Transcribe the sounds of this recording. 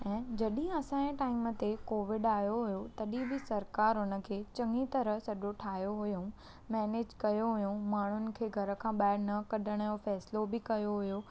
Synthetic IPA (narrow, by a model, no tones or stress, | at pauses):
ɛ̃ːd͡ʑɐɗĩɐsãːẽʈaːɪmə̆t̪ekoːʋɪɖaːjoɦʊjot̪ɐɗĩbɪsɐɾkaːɾɦʊnə̆kʰeːt͡ɕɐ̃ŋĩt̪ɐɾəɦsɐʄoʈʰaːɦjoɦʊjũ | mɛːneːd͡ʑkɐjoɦʊjũmaːɳ̤ʊnɪ̆kʰeːɡʱɐɾə̆kʰãːɓaːɽnɐkɐɗəɽ̃jofɛːslobɪkɐjoɦʊjo